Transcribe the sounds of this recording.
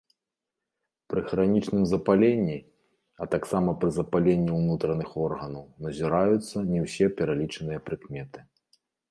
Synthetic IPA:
pɾɨxɾanʲit͡ʂnɨmzɐpalʲenʲːi | ɐt̪aksamɐpɾɨzɐpalʲenʲːiwnut̪ɾɐnɨxɔrɣɐnɐwnɐzʲiɾajut̪sːɐnʲɛwsʲɛpʲɛɾalʲit͡ʂɐnɨjɐpɾɨkmʲɛt̪ɨ̥

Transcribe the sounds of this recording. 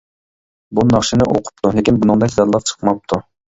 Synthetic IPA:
bunɑχʃinɪʔoqʰʊ̥p̚t̪ʰulɪkʲinbunɨŋd̪ɛkʲzɛɾlˠɑp̚t͡ʃʰə̥qmɑp̚t̪ʰu

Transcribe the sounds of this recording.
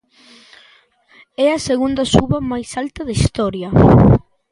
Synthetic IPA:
ɛɐseɣund̪ɐsuβɐmajsalt̪ɐðaist̪ɔɾjɐ

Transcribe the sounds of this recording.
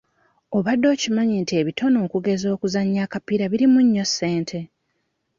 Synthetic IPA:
o̞βadːo̞ːcimaɲinte̞ːβitʰo̞no̞ːkuɡe̞zo̞ːkuzaɲːakapiɾaβiɾimuɲːo̞sːe̞ːntʰe̞

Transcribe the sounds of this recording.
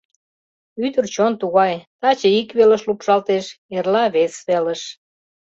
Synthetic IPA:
yd̪ərt͡ɕont̪uɣɑjt̪ɑt͡ɕəikβelə̆ʃlupʃɑlt̪eʃerlɑβesβeləʃ

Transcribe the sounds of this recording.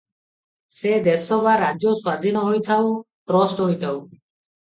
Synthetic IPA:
sed̪esɔbaɾad͡ʒjɔswad̪ʱinɔɦojt̪ʰaw | ʈɾɔsʈɦojt̪ʰaw

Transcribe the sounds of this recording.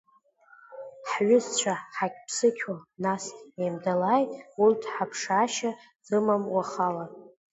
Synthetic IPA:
ħɥʊzt͡ɕʷʰaħakʲʼpʰsɨkʲʰwanastʼnemdalajtʼultʰħapʰʂaʃa | z̥ɨmamwaχala

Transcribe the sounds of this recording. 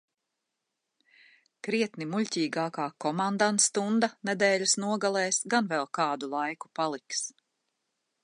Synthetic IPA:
kɾiɛt̪nimuʎʲcʲiːɡaːkaːkɔmand̪ant̪st̪und̪anɛd̪ɛːʎʲusnuɔɡalˠɛːsɡanvɛlˠkɑːd̪ulˠajku̥palˠiks

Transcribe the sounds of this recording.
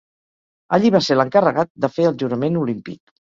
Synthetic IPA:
əʎiβaseləŋkərəɣat̪̚d̪əfeəlˠʒuɾəmenulimpḭk̚

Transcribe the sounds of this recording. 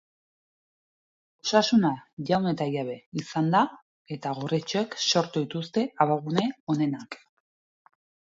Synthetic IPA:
osasunaʝawne̞t̪ajaβe̞isand̪a | e̞t̪aɣoret͡ʃoekso̞ɾt̪uðit̪ust̪e̞aβaɣune̞o̞ne̞nak

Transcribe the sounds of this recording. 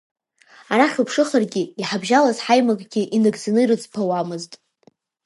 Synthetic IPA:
aɾaχʲɨpʰʂɨχarɡʲɪiħabʒalazħajmaɡʼɡʲɪʔinɨɡzanɨirɨt͡sʰʼpʰawamɨztʼ

